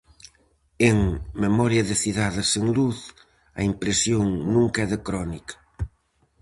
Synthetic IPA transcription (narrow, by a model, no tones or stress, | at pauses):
eŋmemɔɾjɐðɪθiðaðɪseŋluθ | ɐ̰impɾesjoŋnũŋkɛðɪkɾɔnikɐ̥